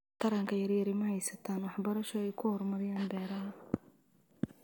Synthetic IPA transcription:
t̪ʰɐɾɐŋkʰɐjɐrjɐɾɪmɐhɛjsɐt̪ʰaːnwɑħbɐɾɐʃɔɛjkʰʊhɔrmɐɾɪjaːnbɛːɾɐɦɐ

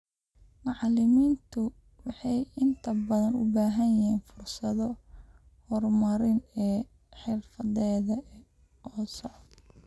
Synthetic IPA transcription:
mɑʕlɪmiːnt̪ʰʊ | wɑħɑjɪnt̪ʰɐbɐðɐnʊ̰baːɦɐnjɪɦiːnfʊrsɐðɔ | hɔrmɐɾɪnɛː | ħɪrfɐðɛːðɐɛ | ɔːsɔʕ

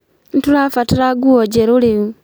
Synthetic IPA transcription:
n̩tulafatiɾaɡuoɟeɾuliu

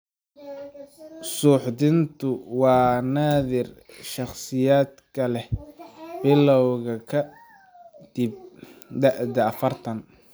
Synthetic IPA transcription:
suːħd̪ɪnt̪ʰʊwɑːnaːðɪrʃɑχsɪjaːd̪kʰɐlɛhb̥ɪlɔwɣɐkʰɐ | d̪̥ib̚ɖɑʔd̪ɐɐfɐrt̪ʰɐn

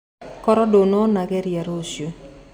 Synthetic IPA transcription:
kɔɾɔdononaɡɛɾjaɾosjo

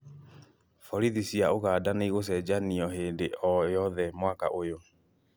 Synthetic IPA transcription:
fɔɾiðisiaoɣaːdaneiɣos̬ɛd͡ʑaniɔɦeːndeʔɔjɔðɛmwaka̰ʔojo

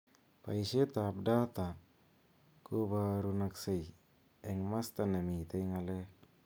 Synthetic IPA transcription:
pa̰jset̪ap̚dat̪a | kubaɾunaksej | ɛŋmast̪anemit̪ajŋale

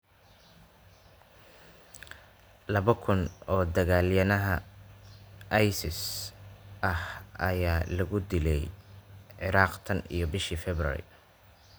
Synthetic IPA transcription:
lɐβɐkʰʊnɔːd̪ɐɣaːljɐnɐɦɐ | ʔɐjsɪs | ʔɐhɐjaːlɐɣʊd̪ɪlɛjʕɪɾɑːqt̪ʰɐnḭjɞbɪʃifɛbrɐ̰ɾɪ̰

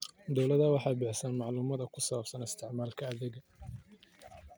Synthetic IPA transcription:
d̪ɔwlɐðɐwɑħɑːbɪħsɐnmɑʕluːmɐðɐkʰʊsɐβɐbsɐnɪst̪ʰɪʕmaːlkʰɐːðɪɣɐ

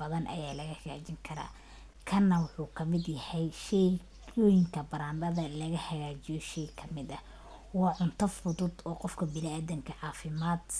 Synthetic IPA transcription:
bɐðɐnʔɐ̰jaːlɐɣɐhɐɣa̰ːt͡ʃɪŋkʰɐɾa̰ː | kʰɐnːɐwʊħuːkʰɐmɪd̪jɐhɛjʃɛ | ɔːjɪŋkʰɐbɐɾaːnd̪ɐðɐlɐɣɐhɐɣaːt͡ʃɪjɔʃɛjkʰɐmɪd̪ɐ | wɑːʕʊnt̪ʰɐfʊðʊd̪ɔːqɔfkʰɐbɪnɪaːðɪŋkʰɐʕɑːfɪmaːd̪

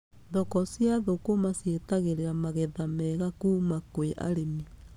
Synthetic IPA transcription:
ðɔkɔsjaðokomasjetaɣeɾeɾamaɣɛðamɛɣakuːmakweʔa̰ɾemi

